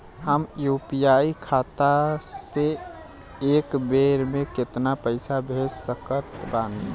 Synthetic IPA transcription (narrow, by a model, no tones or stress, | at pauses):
həmjupijaikʰat̪ase | eːkbeɾmeket̪napəɪsabʱessəkət̪ban